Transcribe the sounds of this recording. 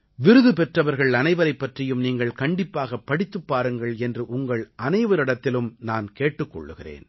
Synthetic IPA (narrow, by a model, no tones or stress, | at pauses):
ʋɪɾɯðɯpɛʈrɐʋɐɾɣɐɭɐnɐɪʋɐɾɐɪpːɐʈrɪjɯmniːŋɡɐɭkɐɳɖɪpːaːɣɐpːɐɽɪt̪ːɯpːaːɾɯŋɡɐɭɛndrɯʔʊŋɡɐɭʔɐnɐɪʋɐɾɪɽɐt̪ːɪlɯmnaːnkeːʈːɯkːɔ̰ɭːɯɣɪrḛːn